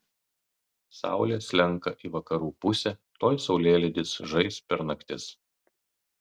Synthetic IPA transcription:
sɑ̰ˑʊlʲeːsʲlʲɛŋˑkɐʔiːʋɐkɐɾuːpʊsʲɛt̪oːjsɒʊlʲeːlʲɪd̪ʲɪsʒɐɪspʲɛɾnɐkt̪ʲɪs

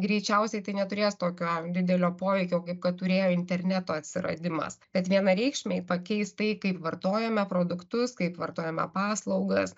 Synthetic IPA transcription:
ɡɾʲɛɪt͡ʃʲɛʊsʲɛɪt̪ɐɪnʲɛt̪ʊɾʲeːst̪oːkʲoːd̪ʲɪd̪ʲɛlʲoːpoːʋʲɛɪkʲoːkɐɪp̚kɐt̪t̪ʊɾʲeːjoːɪnʲt̪ʲɛɾʲnʲɛt̪oːɐt̪ʲsʲɪɾɐ̰d̪ʲɪmɐ̰sb̥ʲɛt̪ʋʲiɛnɐɾʲɛɪkʃʲmʲeɪpɐkʲɛɪst̪ɐɪkɐɪpʋɐrt̪oːjɛmʲɛpɾoːd̪ʊkt̪ʊskɐɪpʋɐrt̪oːjɛmʲɛ̰pɑːslˠɐʊɡɐs

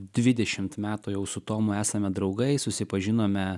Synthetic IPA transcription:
d̪ʲʋʲɪd̪ʲɛʃʲɪmt̪mʲæːt̪ʊjɛʊsʊt̪oːmʊæːsɐmʲɛd̪ɾɒʊɡɐɪsʊsʲɪpɐʒʲɪnoːmʲɛ

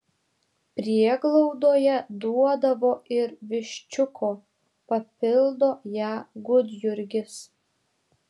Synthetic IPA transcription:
pʲɾʲiɛɡlˠɔʊd̪oːjɛd̪uɔd̪ɐʋoːʔɪɾʋʲɪʃʲt͡ʃʲʊkʰoː | pɐpʲɪlˠd̪oːjæːɡʊd̪ʲjʊɾʲɡʲɪs

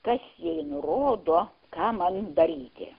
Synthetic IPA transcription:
kɐsjɛɪnʊɾoːd̪oː | kɑːmɐnd̪ɐɾʲiːt̪ʲɪ̰

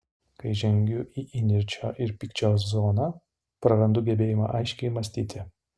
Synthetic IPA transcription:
kɐɪʒʲɛŋʲɡʲʊʔiʔɪnʲɪɾʲt͡ʃʲoːʔɪɾpʲiːkt͡ʃʲoːs̬zoːnɐ | pɾɐɾɐnd̪ʊɡʲɛbʲeːjɪmɑ̰ʔɐɪʃʲkʲɛɪmɐsʲt̪ʲiːt̪ʲɪ

